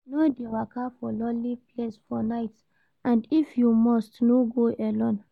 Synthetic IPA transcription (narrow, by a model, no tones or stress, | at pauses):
nodewakʰafɔlɔliplesfɔnaɪt | ʔãndifjumɔstnoɡoʔɛlɔ̃n